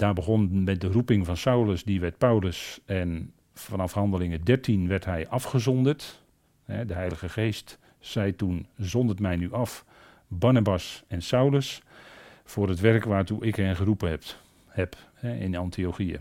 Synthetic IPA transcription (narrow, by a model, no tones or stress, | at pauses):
daːbəɣɔnmɛt̚dərupɪŋvɑnsawləsdiʋɛt̚pawləsɛn | fɑnɑfhɑndəlɪŋədɛrtʰinʋɛrtɦɛjʔɑfχəzɔndərt | hɛdəɦɛjləɣəχeːst | sɛjtunzɔndətmɛjnyʔɑf | barnabasɛnsawləs | fʊːrətʋɛrkʋaːrtuʔɪkhɛnχərupəɛ | hɛp | hɛɪ̰nɑntʰioχiə